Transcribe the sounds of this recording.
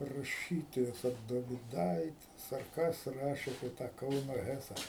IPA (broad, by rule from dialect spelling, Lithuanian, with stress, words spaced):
rɐˈʃʲiːtoːjɛs ɐr doːʋʲɪˈdɐɪtʲɪs ɐr ˈkɐs ˈrɑːʃʲeː ɐpʲiɛ ˈtɑː ˈkɐʊnoː ˈɣʲæːsɐ